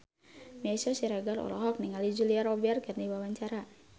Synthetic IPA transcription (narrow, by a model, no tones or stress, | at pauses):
miasɔsiɾaɡalɔ̰lɔɦɔk̚niŋalid͡ʒuliaɾɔbɛarkarniwawaɲt͡ʃaɾa